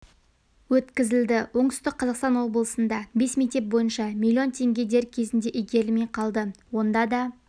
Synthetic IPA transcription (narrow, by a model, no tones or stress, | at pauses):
wɵt̪kʲɪzɪld̪ɪwo̞ɴt̪ʏst̪ɪk̚qʰːɑzɑqst̪ɑnwo̞bəlˠəsənd̪ɑbe̞smʲijt̪ʲe̞p̚bo̞jənʃɑmʲilʲːio̞nt̪ʰe̞ŋɡʲe̞d̪e̞ɾkʲʰe̞zɪnd̪e̞ʔɪjɡʲe̞ɾlmejqʰɑlˠd̪əwo̞nd̪ɑd̪ɑ